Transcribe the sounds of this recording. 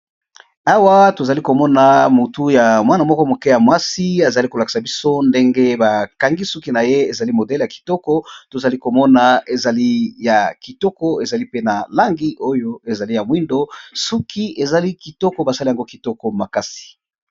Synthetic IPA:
a˦wa˦to˨za˨li˦ko˨mɔ˦na˨mo˨tu˦ja˨mwa˦na˨mɔ˦kɔ˦mo˨ke˦ja˨mwa˦si˦a˨za˨li˦ko˨la˨ki̥˨sa˨bi˦so˦nde˦ŋɡe˦ba˨ka˨ŋɡi˦su˦ki˦na˨je˦e˨za˨li˦mo˨dɛ˦lja˨ki̥˨tɔ˦kɔ˦to˨za˨li˦ko˨mɔ˦na˨e˨za˨li˦ja˨ki˨tɔ˦kɔ˦e˨za˨li˦pe˦na˨la˦ŋɡi˦o˦jo˦e˨za˨li˦ja˨mwi˦ndo˦su˦kʰi˦e˨za˨li˦ki˨tɔ˦kɔ˨ba˨sa˦li˦a˨ŋɡo˦ki˨tɔ˦kɔ˨ma˨ka˦si̥˨

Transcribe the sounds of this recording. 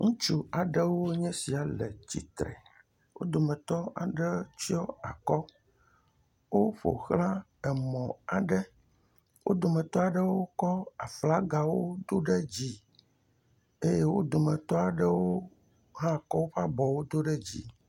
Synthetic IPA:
ŋũ˦t͡ʃu˦a˨ɖɛ˦wo˦ɲɛ̃˦si˨a˨lɛ˨t͡ɕḭ˨t̪ɾɛ̰˨ | wo̰˦d̪o˨mɛ̃˨t̪ɔ˦a̰˨ɖɛ˦t͡ʃi˦ɔ˦a˨kɔ˦ | wo˦ɸo̰˨xlã˦ | ɛ˨mɔ̃˨a˨ɖɛ˦ | wo̰˦d̪o˨mɛ̃˨t̪ɔ˦a˨ɖə˦wo˦kɔ˦a˨fla˦ɡa˨wo˦d̪o˦ɖe˦d͡ʑi˦ | e˦je˦wo̰˦d̪o˨mɛ̃˨t̪ɔ˦a˨ɖə˦wo˦ | ɦã˦˨kɔ˦wo˦ɸa˦bɔ˨wo˦d̪o˦ɖɛ˦d͡ʑḭ˨

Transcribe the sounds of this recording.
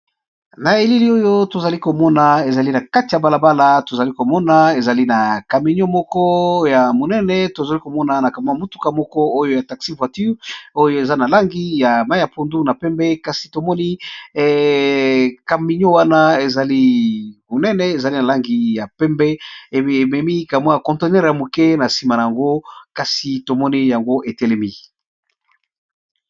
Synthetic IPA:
na˨e˨li˦li˦o˦jo˦to˨za˨li˦ko˨mɔ˦na˨e˨za˨li˦na˨ka˦ti˨ja˨ba˨la˨ba˦la˨to˨za˨li˦ko˨mɔ˦na˦e˨za˨li˦na˨ka˨mi˨˦ɲo˦mɔ˦kɔ˦ja˨mo˨nɛ˦nɛ˦to˨za˨li˦ko˨mɔ˦na˨na˨ka˨ma˦a˨mo˨tu˦ka˨mɔ˦kɔ˦o˦jo˦ja˨ta˨ksi˦vwa˨ty˦ʁo˦jo˦e˨za˦na˨la˦ŋɡi˦ja˨ma˦ja˨po˦ndu˦na˨pɛ˦mbɛ˦ka˦si̥˨to˨mɔ˦ni˦ | ka˨mi˨ɲo˦wa˦na˦e˨za˨li˦mo˨nɛ˦nɛ˦e˨za˨li˦na˨la˦ŋɡi˦ja˨pɛ˦mbɛ˦˨e˨mɛ˨mi˦ka˨m˦a˦ja˨kɔ̃˨nte˨nɛ˦ʁja˨mo˨kɛ˦na˨si˨ma˨na˨ja˨ŋɡo˦ka˨si˨to˨mɔ˦ni˦ja˨ŋɡo˦ʔe˨tɛ˦˨lɛ˦mi˦

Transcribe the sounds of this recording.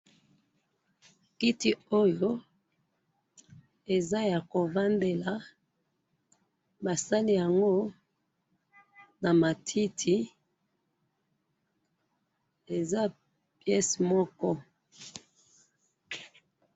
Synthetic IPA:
ki˦ti˨o˦jo˦ | e˨za˦ja˨ko˨va˦nde˨la˨ | ba˨sa˦li˦ja˨ŋɡo˦ | na˨ma˨tʰi˦tʰi˨ | e˨za˦ | pjɛ˦smɔ˦kɔ˦

